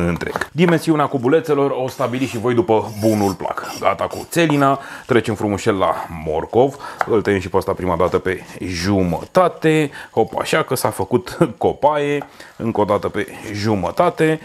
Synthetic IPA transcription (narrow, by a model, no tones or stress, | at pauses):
ɨnt̪ɾe̞̰ɡ̥d̪ime̞nsiuneakubule̞t̪se̞lo̞rost̪abiliʃivo̞jd̪upəbunulpla̰kɡa̰t̪akṵt̪se̞linat̪ɾe̞t͡ʃenfɾumuʃelːa̰mo̞̰rko̞vɨlt̪əjemʃ̬ipast̪apɾimad̪at̪əpe̞ʒumə̰t̪at̪e̞ho̞pa̰ʃakəsafəkut̪ko̞paje̞ɨŋko̞d̪at̪əpe̞ʒumət̪at̪e̞